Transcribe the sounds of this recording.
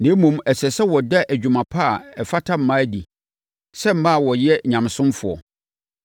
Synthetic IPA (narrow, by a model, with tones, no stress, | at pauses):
nɪ̃˨˦mũ˨mɛ˨sɛ˨sɛ˦wɔ˨dɛ˦ʔæ˨d͡ʑᶣu˨mã˨pʰa˦a˨ɛ˨fa˦tʰa˦m̩˦mã˦di˨ | sɛ˦m̩˦mã˦˨wɔ˨jɛ˦ɲã˨msʊ̃˦mfʊ˨ɔ̰˨